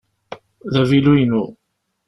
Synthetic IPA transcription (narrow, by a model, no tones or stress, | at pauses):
ðævilujnu